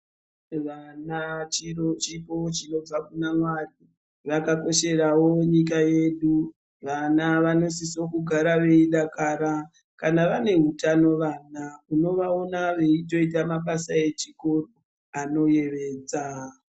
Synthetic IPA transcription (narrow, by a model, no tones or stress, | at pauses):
ʋanat͡ʃiot͡ʃipo̞t͡ʃino̞b͡vakunamwaɗi | ʋakako̞ʃe̞rawo̞ɲik̬aje̞ɗu | ʋanaʋano̞siso̞kuɡʱaɾaʋe̞iɗakaːɾa | kanaʋane̞ɦutano̞ʋaːnauno̞ʋaonaʋe̞ito̞it̬amaɓasae̞t͡ʃiko̞ro | ano̞je̞ʋeːd͡za